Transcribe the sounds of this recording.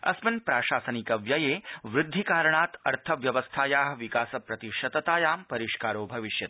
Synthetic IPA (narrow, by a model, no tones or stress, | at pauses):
ɐ̰smɐnpɾaːʃaːsɐnikɐʋjɐjeːʋɾɪd̪ʱːikaːɾɐɳaːt̪ɐɾt̪ʰɐʋjɐʋɐst̪ʰaːjaːɦɐ̆ʋikaːsɐpɾɐt̪iʃɐt̪ɐt̪aːjaːmpɐɾiʃkaːɾoːbʱɐʋiʃjɐt̪